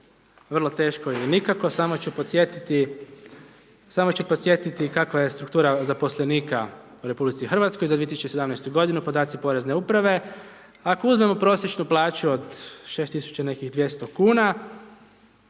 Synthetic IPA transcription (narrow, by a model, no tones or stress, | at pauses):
ʋr̩lˠot̪e̞ːʃkoiɛnikako̞samot͡ɕupot̪sjet̪it̪i | samo̞t͡ɕupot̪sje̞t̪it̪ikakʋaje̞st̪ɾukt̪uːɾazapo̞sleniːka | uɾe̞publit̪sixr̩ʋat̪sko̞jzad̪ʋiet̪isut͡ʃesed̪amnɛjst̪uɡo̞d̪inupod̪aːt̪sipo̞ɾe̞zne̞upɾaʋe̞ | akouzme̞mo̞pɾo̞sjet͡ʃnuplˠaːt͡ɕuo̞d̪ʃest̪isu̥t͡ɕane̞kiɣd̪ʋje̞st̪o̞kuːna